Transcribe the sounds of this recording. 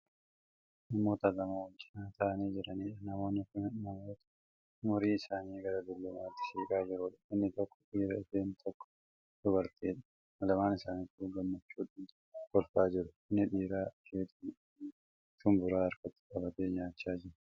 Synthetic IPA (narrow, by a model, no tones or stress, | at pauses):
nɐmːoːt̪ɐlɐmaːwɐld͡ʒɪnaːt̪ʰɐʔɐniːd͡ʒɪɾɐniːᶑɐnɐmo̞ːnːɪkʊnnɐmoːt̪ɐ̥ | mʊɾiːɪsaːniːɡɐɾɐd̪ʊlːʊmaːt̪ːɪ̥ʃeːkʼaːd͡ʒɪɾʊᶑɐ̥ɪnːɪt̪ɔkːɔ̥ᶑiːɾɐɪfeːnt̪ʰɔkːɔ̥ | d̪̥ʊbɐɾt̪eːᶑɐ̥ | mɐlɐmaːnɪsaːniːkuɡɐmːɐt͡ʃːuːᶑaːn | kɔlfaːd͡ʒɪɾʊɪnːɪᶑiːɾaːkʰeːt̪i | t̪ʊmbʊɾaːɐɾkɔt̪ːɪ̥kʼɐbɐt̪eːɲaːt͡ʃːaːd͡ʒɪɾ